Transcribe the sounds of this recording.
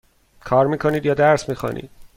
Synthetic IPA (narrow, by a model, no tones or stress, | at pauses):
kʰɒːɾmiːkʰoniːd̪jɒːd̪æɾsmiːxɑ̰nʔḭːd̪̥̚